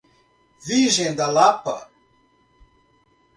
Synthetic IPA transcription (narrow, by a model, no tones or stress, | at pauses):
viʒend̪alapa̰